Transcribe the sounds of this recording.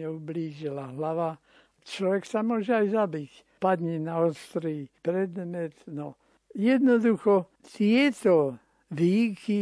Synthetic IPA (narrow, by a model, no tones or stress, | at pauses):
ɛubliːʒilaɦlaʋa | t͡ʃlɔʋɛksamʊɔʒɛajzabic | pad̪ɲɛnaɔst̪ɾipɾɛd̪mɛt̪nɔ | jɛd̪nɔd̪uxɔ | t̪ɪɛt̪ɔ | ʋiːki